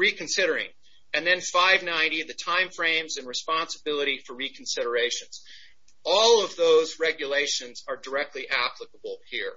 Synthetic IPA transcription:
ɹikɨ̃nsɪɾə˞ɪ̰̃ŋ | ɨ̃nðɨ̃nfaɪvnãɪ̃niðɨtʰãɪ̃ɱfɹẽɪ̃mzɨ̃nɹɨspɑ̃nsəbɪlˠəɾifə˞ɹikʰn̩sɪɾə˞eɪʃɨ̃nz̥ | ɔlˠʌvðoʊzɹɛɡjɨleɪʃɨ̃nzə˞də˞ɛk̚tʰˡliʔæpʰləkəbl̩ˠhiɹ

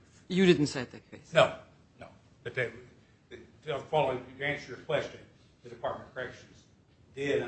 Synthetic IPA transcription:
jɨɾɪdⁿn̩tseɪɨt̪̚ðɨt̚kʰeɪsnoʊ | noʊ | b̥ʌt̪̚ðe | afɑlˠoʊæ̃nsə˞ɨkʰw̥ɛst͡ʃɨ̃n | ðɨdɨpʰɑɹt̚mə̃nkʰə˞ɛkʃɨ̃nz | dɪɾ

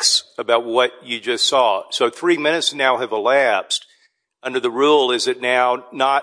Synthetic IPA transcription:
ksəbaʊt̚wʌt͡ʃɨd͡ʒʌstsɔsoʊθɹimɪ̃ñɨtsnaʊɨvəlæpst | ʌ̃ndə˞ðəɹulˠɪzɨtⁿnaʊnə

